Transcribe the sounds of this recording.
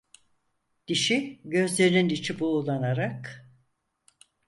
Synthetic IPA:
d̪̥iʃiɟø̞zlʲe̞ɾinind̪it͡ʃʰibuːlˠanaɾak

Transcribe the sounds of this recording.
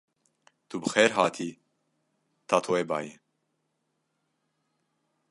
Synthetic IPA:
t̪ʰubəxɛːɾɦaːt̪ʰiː | t̪ʰat̪ʰoeba̰ːjɛ

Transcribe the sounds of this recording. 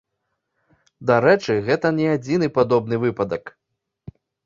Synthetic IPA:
d̪aɾɛt͡ʂɨɣɛt̪ɐnʲɛad͡zʲinɨpad̪ɔb̚nɨvɨpɐd̪ɐk

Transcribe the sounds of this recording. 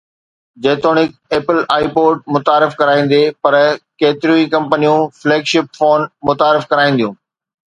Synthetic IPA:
d͡ʑeːt̪oːnɪk̚eːpɪlaːipoːʈ̚mʊt̪aːɾɪfkɐɾaːĩːn̆d̪epɐɾkeːt̪ɪɾjũĩkɐ̃mpənijũfleːɡʃɪpfoːnmʊt̪aːɾɪfkɐɾaːĩnd̪ijũː

